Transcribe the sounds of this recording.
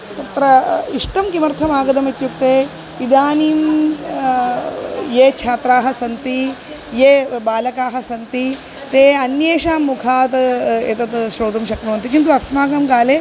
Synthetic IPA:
t̪ɐt̪ɾɐiʂʈɐmkimɐɾt̪ʰɐmaːɡɐd̪ɐmit̪jukt̪eː | id̪aːniːm | jeːt͡ʃʰaːt̪ɾaːɦɐsɐnt̪i | jeːbaːlɐkaːɦɐ̆sɐnt̪i | t̪eːɐnjeːʂaːmːukʰaːt̪ḛt̪ɐt̪ʃɾoːt̪ɐmʃɐkɾɐːnt̪ikint̪̬uɐsmaːɡɐmɡaːle

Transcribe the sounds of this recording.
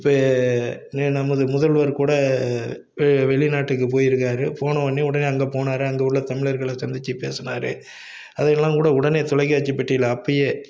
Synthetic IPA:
ɪpːɐ | nnɐmːɐðɯmʊðɐlʋɐɾkuːɽɐ | ʋɛɭɪnaːʈːɯk̬ːɯpoːjɪɾɯkːaːɾɯpoːnɐ̃ʋɐnːiʊɽɐneːɐŋɡeːpoːnaːɾɯɐŋɡɐɽlɐt̪ɐmɪɭɐɾɣɐɭɐsɐnd̪ɪt͡ʃːɯpḛːsɐnaːɾɯ̰ | ɐðɐnɐlːãːkuːɽɐʊɽɐneːt̪ʊlɐɪkːɐːt͡ʃːipɪʈːɪjɪlɐɐpːɐjeː

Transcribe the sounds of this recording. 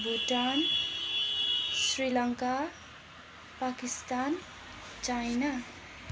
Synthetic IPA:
bʱuʈan | srilʌŋka | pakist̪an | t͡ʃajna

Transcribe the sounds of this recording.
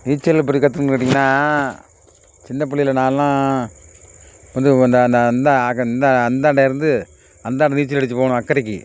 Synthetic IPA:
niːt͡ʃːɐlp̬ʊɽikɐt̪̬ːɯkkɐʈ̬ːiŋɡɐnːaː | t͡ʃɪnːɐp̬ʊɭɪɪlɐnaːllãː | kɐnd̪ɯkːɯɐnd̪ɐɐnd̪ɐɐnd̪ɐːkːɐnd̪ɐːnd̪aːɽɐɪɾɯnd̪ɯ | ɐnd̪aːɽɐniːt͡ʃːɐlɛɽɯt̪ːɯpoːɳʊ̃ɐkːɐɾɛkːɯ̰

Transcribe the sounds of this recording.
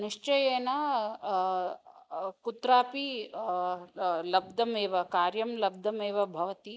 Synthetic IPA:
niʂt͡ʃɐjeːnɐ | kut̪ɾaːpi | lɐb̚d̪ʱɐmeːʋɐkaːɾjɐmlɐb̚d̪ʱɐmeːʋɐbʱɐʋɐt̪i

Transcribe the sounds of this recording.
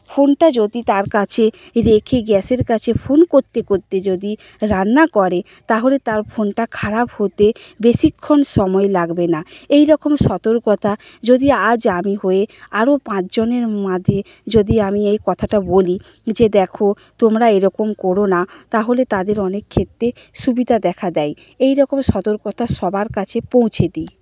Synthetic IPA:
fonʈad͡ʑod̪it̪aɾkat͡ɕʰe | ɾekʰeɡɛseɾkat͡ɕʰefʰonkoɾt̪ekoɾt̪ːed͡ʑod̪i | ɾanːakɔɾe | t̪aɦolet̪aɾfʰonʈakʰaɾaphot̪ebeʃikʰːonʃɔmɔelaɡbenaejɾɔkomʃɔt̪oɾkɔt̪ʰad͡ʑod̪iad͡ʑamiɦoeaɾopãt͡ɕd͡ʑoneɾmad̪ʱe | d͡ʑod̪iamiejkɔt̪ʰaʈaboli | d͡ʑed̪ɛkʰo | t̪omɾaeɾɔkomkoɾonat̪aɦolet̪ad̪eɾɔnekʰːet̪ːɾe | ʃubid̪ʱad̪ɛkʰad̪ɛj | ejɾɔkomʃɔt̪oɾkɔt̪ʰaʃɔbaɾkat͡ɕʰepõw̃t͡ɕʰed̪i

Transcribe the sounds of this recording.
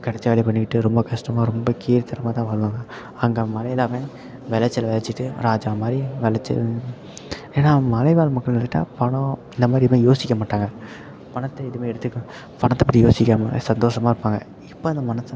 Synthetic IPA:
kɐɽɐt͡ʃːɐʋɐːɭɐɪpɐɳːɪkːɪʈːɯɾɔmbɐkɐʂʈɐmaːɾɔmbɐkiːɾt̪ɐɾɐmaːt̪ãːʋaːɭɯʋaːŋɡɐ | ɐŋɡeːmɐlɐjlaːʋẽː | ʋɛlɐt͡ʃːɐlɐʋɛlɐt͡ʃːɪʈːɯɾaːd͡ʒaːmaːd̪ɾiʋɛɭɐt͡ʃːɐ̰ | eːnːaːmɐlɐɪʋaːlmɐkːɐɭnɾt̪ɯʈːa̰ːpɐɳõɪnd̪ɐmaːd̪ɾimeːjoːsɪkʲːɐmaːʈːaːŋɡɐ | pɐɳɐt̪ːɐɪðɯmeːɛɽɯt̪ːɯkːʊ̃ | pɐɳɐt̪ːɐpːɐʈːijoːsɪkʲːaːmɐsɐnd̪oːʂɐmaːɪɾɯpːaːŋɡɐ̰ | ɪpːoːɐnd̪ɐmɐnɐt̪ː

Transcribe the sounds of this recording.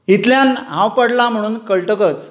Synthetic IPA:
ɦit̪ljanɦãwpəɽlam̤əɽuːnkəɭʈəkət͡s

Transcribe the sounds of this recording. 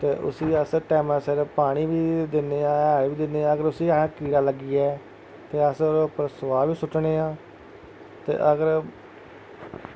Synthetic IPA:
t̪eːʔʊ̰siːəsʈɛːmə̃sɪɾpaːɽ̃iːʋiːd̪ɪnːeːãːɛːɾʋiːd̪ɪnːeːãːəɡəɾʊsiːãːkiːɾaːləɡiːɛː | t̪eːəsɾpəɾəsʋaːʋiːsʊʈːneːãː | t̪ḛːʔəɡəɾ

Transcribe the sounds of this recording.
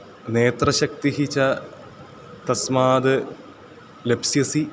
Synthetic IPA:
neːt̪rɐɕɐk̚t̪iɦit͡ɕɐ | t̪ɐsmaːd̪ɨ | lebsjɐsi

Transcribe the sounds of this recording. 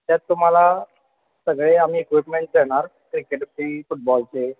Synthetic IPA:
t̪jat̪ːum̤ala | səɡɭeamiːekʋipmeɳʈ̚d͡ʑɛɽ̃aɾkɾikeʈbʈifuʈ̚bɔlt͡ɕe

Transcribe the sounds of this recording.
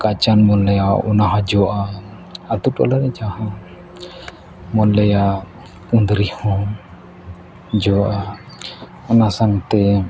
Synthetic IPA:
kat͡ʃanmɔnləjaṵnaɦad͡ʒɔʔa | at̪utɔ̰laɾɛd͡ʒaha | mɔnləja | und̪ɾihɔ | d͡ʒɔʔa | ɔnasaŋt̪ɛ

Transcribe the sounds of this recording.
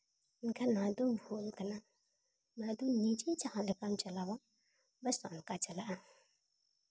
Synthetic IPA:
nkanadovunkəna | nadonit͡ʃit͡ʃahalikamt͡ʃalaβa | basankat͡ʃalaʔa

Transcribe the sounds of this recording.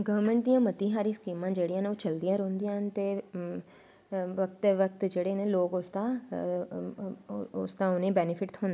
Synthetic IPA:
ɡəʋəɾmə̃ɳʈ̚d̪ijãːmət̪ĩːɦaːɾiːsə̥kiːmãːd͡ʒeːɽijãːneːoːt͡ʃəld̪ijãːɾõːnd̪ijãːnt̪eː | ʋək̚t̪ʋək̚t̪d͡ʒeːɽeːneːloːkʊsd̪ãː | ʊ̰sd̪ãːʊnẽːbɛːnɪpʰɪʈɦoːnd̪̃

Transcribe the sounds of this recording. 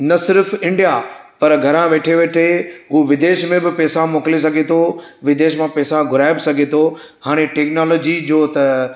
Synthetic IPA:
nɐsɪɾfɪ̃ɳɖijapɐɾɡʱɐɾãʋeːʈʰeʋeːʈʰeɦuʋɪd̪eːʃmẽbɪpɛːsãmoːkles̬ɐɡʱet̪ʰoʋɪd̪eːʃmãpɛːsãɡʱʊɾaːɪbɪsɐɡʱet̪ʰo | haːɽ̃eʈeːknaːloːd͡ʑid͡ʑoːt̪ɐ

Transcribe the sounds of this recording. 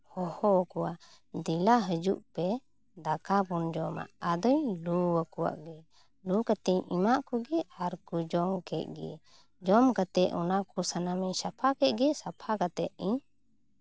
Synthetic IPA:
hɔhɔkɔwa | d̪ilaɦəd͡ʒṵʔpɛ | d̪akabund͡ʒɔma̰ʔad̪ɔɲluwəkuwa̰ʔɡɛ | lukat̪ɛɲimaʔkɔɡɛaɾkud͡ʒɔmkɛt̪̚ˀɡɛ̰ | d͡ʒɔmkat̪ɛʔɔnakɔsanamiɲsapʰakɛt̪̚ɡɛsapʰakat̪ɛʔ̪ĩɲ

